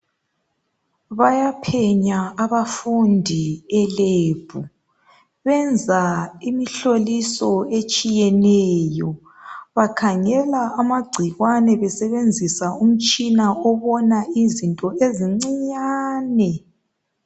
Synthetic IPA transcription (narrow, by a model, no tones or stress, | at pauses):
βajapʰɛɲaaβafundʱiɛleːb̥ʱu | βɛnd͡zʱaimiɬolisɔet͡ʃʼijɛnɛjɔ | βakʰaŋɛlaːmaɡ͡ǀʱiɣwanɛβɛsɛβend͡zʱisaum̩t͡ʃʼinaɔβɔnaizintʼɔeziŋ͡ǀiɲaːnɛ